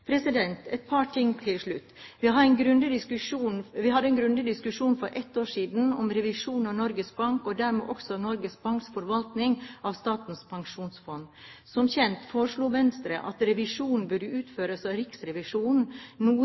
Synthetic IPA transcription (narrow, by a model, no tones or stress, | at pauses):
pʰɾɛsɪd̪ɛnt̪ɛt̪̚pʰɑːʈʰɪŋːt̪ʰɪlʂɭʉt̪ːʋɪɦɑɾɛnɡɾʉnd̪ɪɪkʉʂuːnʋɪhɑd̪ːəɛnɡɾʉnd̪ɪd̪ɪskʉʂuːnfɔɾʔɛt̪ːoːʂiːd̪n̩ɔmɾɛʋɪʂuːnɑʋnɔɾɡəsbɑŋkɔd̪æɾmḛːʔɔksɔnɔɾɡəsbɑŋksfɔɾʋɑlt̪nɪŋʔɑʋst̪ɑːt̪n̩spʰɑŋʂuːnsfɔnːsɔmçɛnt̪foːɾəʂɭuːʋɛnst̪ɾə̰ʔɑt̪ɾɛʋɪʂuːnn̩bʉɖəʉːt̪føːɾəsɑːʋɾɪksɾɛʋɪʂuːnn̩nuː